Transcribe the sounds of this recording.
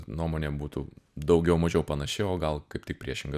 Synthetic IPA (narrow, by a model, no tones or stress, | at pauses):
nuɔmoːnʲeːbuːt̪uːd̪ɐʊɡʲɛʊmɐʒʲɛʊpɐnɐʃʲɪoːɡɐlˠkɐɪpt̪ʲɪk̚pʲɾʲiɛʃʲɪŋɡɐ